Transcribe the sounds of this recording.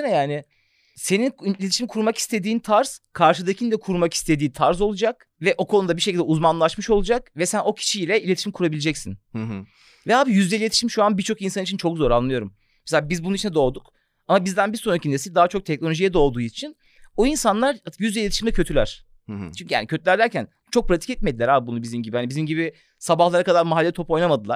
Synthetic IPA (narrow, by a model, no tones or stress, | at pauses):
nɛjaːnɪ | se̞ninnilʲetʰi̥ʃimkʰuɾmaki̥st̪ʰed̪iːnt̪ʰaɾz̥kʰaɾʃɯd̪acʰind̪ɛkʰuɾmaki̥st̪ʰe̞d̪iːnt̪ʰaɾzo̞lˠud͡ʒak̚ | vɛʔo̞kʰo̞nud̪abiʃecilʲd̪ɛuzmanlˠaʃmɯʃo̞lˠud͡ʒakvɛsæno̞cʰi̥t͡ʃiilʲɛilʲet̪ʰiʃimkʰuɾabilʲed͡ʒɛcsin | vɛaːbijyzlʲɛilʲei̥ʃimʃuanbiɾt͡ʃʰo̞kinsanit͡ʃʰint͡ʃʰo̞kzo̞ɾanlˠɯjo̞ɾum | mɛselʲaːbizbununit͡ʃʰinɛd̪o̞ːd̪uk | amabizd̪ænbiɾsoncʰinesid̪aɦat͡ʃʰo̞k̚t̪ʰɛc̚no̞lʲo̞ʒijɛd̪o̞ːd̪uːit͡ʃʰin | oinsanlˠaɾat̪jyzd̪ʲɛlʲet̪ʰiʃimd̪ɛcʰøt̪ʰylʲæɾ̥ | t͡ʃʰyɲcʰyja̰ːnicʰøt̪ʰylʲæɾd̪ʲæɾcʰæn | t͡ʃʰo̞k̚pɾat̪ʰi̥cɛt̪̚med̪ilʲæɾaːbibunubizimɟibihanibizimɟibi | sabahlˠaɾakad̪aɾmaɦalʲːɛt̪ʰo̞po̞jnamad̪ɯlˠaɾ̥